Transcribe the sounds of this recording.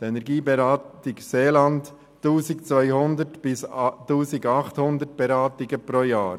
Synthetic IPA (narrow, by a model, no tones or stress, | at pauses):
dɛnɛɾɡiːbɛɾɑːtɪɡseːlɑnt | tːuːsɪkt͡svœʏhʊndətb̥ɪstuːsɪɡɑχthʊnd̪ət̚b̥ɛɾɑːtɪɡəpɾoːjaːɾ